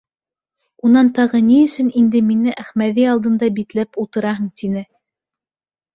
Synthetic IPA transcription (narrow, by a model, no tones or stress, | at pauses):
unɑnt̪ɑʁɤniɘ̆sɵnind̪ɘminɘʔæχmæðiɑlˠd̪ɤ̆nd̪ɑbit̪læpulˠt̪ɤ̆ɾɑɦɤɴt̪inɘ